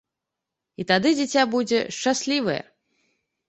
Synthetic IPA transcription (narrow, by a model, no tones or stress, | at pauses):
it̪ad̪ɨd͡zʲat͡sʲabud͡zʲɛʂt͡ʂasʲlʲivɐjɛ̰